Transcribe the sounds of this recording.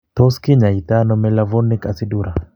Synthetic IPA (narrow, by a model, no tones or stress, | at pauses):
t̪ɔskiɲait̪anɔmɛlavɔnːikʼasiduɾa